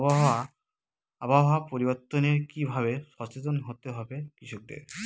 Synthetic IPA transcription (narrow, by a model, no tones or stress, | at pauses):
bɔɦa | abaɦɔapoɾibɔt̪ːɔneɹkibʱaβesɔset̪ɔnɦot̪eɦɔbekɾisʰuk̚d̪ḛɾ